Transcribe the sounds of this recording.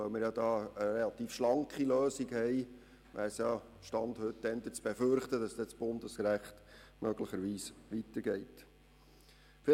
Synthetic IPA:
œʊmɪɾjɑdɑːəɾelɑt̪iːfʃlɑŋkχiløːsiɡhɛɪ | ʋæ̰ːɾsjɑ | ʃtɑnd̪hɵtːɛnd̪ət͡sb̥eføɾχt̪əd̥ɑsd̥̪ɛt͡sb̥ʊndəskɾæχt̪mœɡləχəɾʋiːsʋit̪əɾɡɛɪt | fɪ

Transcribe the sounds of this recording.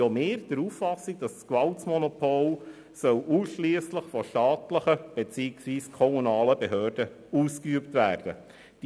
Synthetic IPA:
jɔmeːɾd̥əɾuːfːɑsiɡ̚d̥ɑsskvɑltsmɔnɔpʰol | sœluːsʃliəsləχfɔʃtɑːtləχəb̥ɛt͡siːɪksʋiːskʰɔmunɑːləbeɦøːrd̥ə | uːskyəptvæːɾd̥ə | d̥

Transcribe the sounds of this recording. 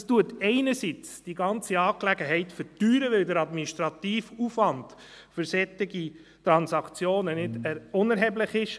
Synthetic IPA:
stuətɛɪnəɾsit͡sd̥iɡɑnt͡siɑːklɛɡəɦɛɪtfəɾtyːɾəʋɪldəɾɑdminiʃtɾɑt̪iːfufʋɑnd | fʏɾsɛtːɪɡi | t̪ɾɑnsɑkt͡sjoːnənɪdʊnɛɾɦɛblɪχɪʃ

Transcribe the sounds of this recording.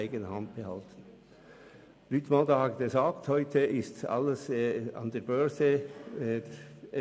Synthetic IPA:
ɪɡənəhɑnd̚b̥əhɑltn̩ | lyːtmɑldəhɑtɡəzaːkthɔʏtʰəʔɪstɑ̰ləsɑ̰ndeːɐbœɐzə

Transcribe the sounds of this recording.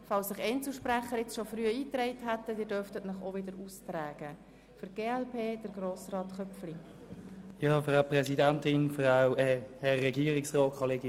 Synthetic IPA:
fɑlsːɪχɛnt͡sl̩ʃpræχːəɾɪt͡sʃofryːəiːtrɛɪtɦætːədɪːdœrftətnəχovɪdəɾustræːɡ̥ə | fʏɾɡ̥eːɛlpʰeːd̥əɾɡ̥roːsrɑːtχœpfli | jɑːfʁaʊpʁɛsidæntɪnfraʊɛːhɛːɛɡiːəʁɪksʁɔːtkʰɔleːɡɪ

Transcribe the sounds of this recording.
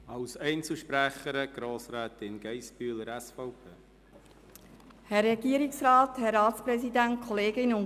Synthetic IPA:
ɑwsɛɪnt͡səʃpɾæχəɾəɡ̥ɾoːsɾæːt̪ɪnɡ̥ɛjspyːləɾæsfɔʊpʰeː | hɛrɛɡiːəɾɪksrɑːt̪hɛɾɑːtspɾɛsidænt̚kʰɔleːɡɪnʊn

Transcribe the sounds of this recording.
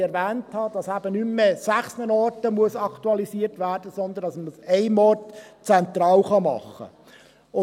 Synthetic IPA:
ɛɾvæːnthɑd̥ɑsæb̥ənymːesæχsnənɔtəmuəsɑktuɑlisiːəɾtʋæːɾd̥əsɔnd̪əndɑsmsɛɪmɔtt͡sɛnt̪ɾɑːlχɑmɑ̰χːə̰ | ʊ

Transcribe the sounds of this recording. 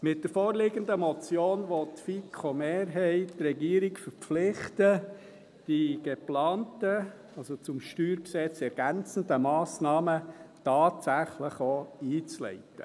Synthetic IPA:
mɪt̚d̥əɾfɔːɾlɪɡəndəmɔt͡sjoːnʋot̪fikʰomeːɾɦɛɪttrɛɡiːəɾikfəɾpflɪχtə | d̥iɡ̥eplɑːntə | ɑlsot͡sʊmʃtyːɾksɛt͡sɛɾɡ̥ænt͡səndəmɑːsnɑːmətɑːtsæχləχoiːt͡slɛ̰ɪtə

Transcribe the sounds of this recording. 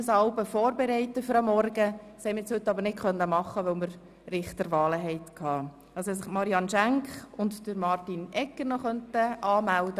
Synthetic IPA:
əsɑʊbəfɔːɾbɛɾɛɪtːəfʏɾɑmːɔrɡə | shɛmɪɾt͡shɵt̪ːɑbəɾnɪt̚kχœnːəmɑχːəʋœʊməɾ | ɾɪχt̪əɾʋɑːləɦɛɪt̪kʰɑː | ʔɑlsɛs̬ɪχmɑɾiɑnʃæŋkχʊntd̥əɾmɑrtinɛkːəɾnɔχœntəʔɑːmældə

